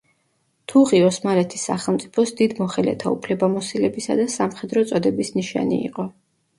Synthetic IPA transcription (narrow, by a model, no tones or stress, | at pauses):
t̪ʰuʁiɔsmalɛt̪ʰi̥sːa̰χɛlˠmt̪sʼi̥pʰɔsd̪id̪mɔχɛlɛ̰t̪ʰaupʰlɛbamɔsilɛbisa̰d̪asamχɛd̪ɾɔt̪sʼɔd̪ɛbisniʃa̰nḭːqʼɔ